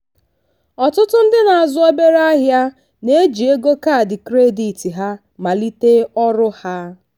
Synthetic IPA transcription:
ɔ˨tʊ˦tʊ˦n̩˦dɪ˦na˨a˨zʊ˦o˦be˦ɾa˦ɦja˦ | ne˦d͡ʒi˨e˦ɡo˦ka˦˨dɪ˨kɾe˦di˨ti˨ɦa˦ | ma˨li˦te˦ɔ˦ɾʊ˦ha˦

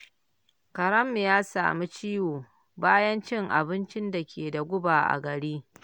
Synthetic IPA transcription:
kɐ˨ɾɐ˦mːɪ˨jaː˦sa̰ː˨mi˦t͡ʃiː˦woː˨ | baː˦jɐ˦nt͡ʃɪ˦ŋʔa̰˨bɪ˦nt͡ʃɪ˦nda˨kʲʰeː˨da˨ɡʷʊ˦baː˨ʔa̰˨ɡɐ˨ɽiː˦

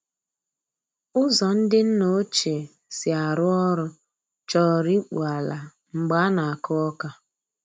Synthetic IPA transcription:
ʊ˦zɔ˨n̩˦dɪ˦n̩˦no˦t͡ʃe˨ | sɪ˨a˨ɾʊ˦ɔ˦ɾʊ˦ | t͡ʃɔ˦˨ɾi˦k͡pu˨a˨la˨ | ŋ͡m̩˨ɡ͡ba˨˦na˨a˨kʊ˦ɔ˦ka˦

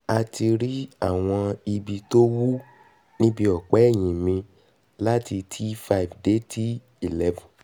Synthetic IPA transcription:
a˧ti˧ɾi˦a˦˨w̃ɔ̃˧i˧bi˧to˦wu˦ | nĩ˦bi˧ɔ˨k͡pɛ˨˦ɛ˦˨j̃ĩ˨mĩ˧ | la˦ti˧tʰi˦fa˧i˨vde˨˦tʰi˦ | i˨lɛ˦vũ˨

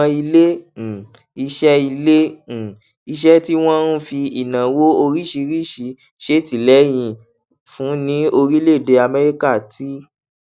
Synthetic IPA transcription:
i˧le˦˨ | i˧ʃɛ˦i˧le˦˨ | i˧ʃ̬ɛ˦ti˦w̃ɔ̃˦ɾ̃ũ˦fi˧i˨nã˨wo˦o˧ɾi˦ʃi˧ɾi˦˨ʃi˨˧˦ | ʃe˦˨ti˨lɛ˨˦j̃ĩ˧ | fũ˨˦nĩ˨˦o˧ɾi˦le˦˨de˧a˧mɛ˦ɾi˦ka˦˨ti˨˦

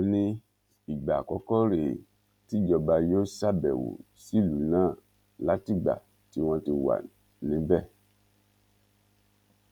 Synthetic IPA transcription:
o˧nĩ˧ | i˨ɡ͡ba˨kɔ˧˦kɔ˦ɾe˨ | ti˦d͡ʒɔ˧ba˧jo˦sa˦˨bɛ̰˨wṵ˨ | si˦˨lu˨nãː˦˨ | la˨˦ti˦˨ɡ͡ba̰˨ | ti˨˦w̃ɔ̃˧ti˧wa̰˨ | nĩ˨˦bɛ˦˨

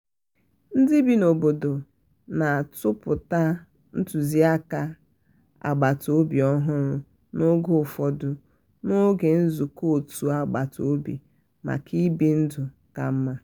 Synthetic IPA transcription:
n̩˦dɪ˦bi˦no˨bo˨do˨ | na˨a˨tʊ˦pʊ˨ta˦ | n̩˦tu˨zi˦a˦ka˦ | a̰˨ɡ͡ba˨to˨˦bi˨ɔ˦ɦʊ˦ɾʊ˦ | no˦ɡo˦˨fɔ˨dʊ˨ | no˦ɡe˨n̩˦zu˨ko˦o˨tu˨a˨ɡ͡ba˨to̰˨˦bḭ˨ | ma̰˨kʰi˦bi˦n̩˦dʊ˨ | ka˨m̩˦ma˦

